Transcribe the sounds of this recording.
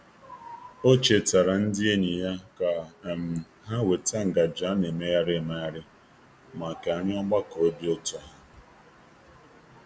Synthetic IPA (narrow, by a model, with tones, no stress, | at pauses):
o˦t͡ʃe˨ta˨ɾa˨n̩˦dɪ˦e˦ni˨ja˦ka˨m̩˨ | ɦa˦we˨ta˦ŋ̩˨ɡa˨d͡ʒa˨˦ne˨me˦ja˦ɾɪ˦˨ma˨ja˦ɾɪ˦ | ma˨ka˨a˨ɲɪ˦ɔ˦ɡ͡ba˦ko˨o˦bi˦o˦tɔ˦ɦa˦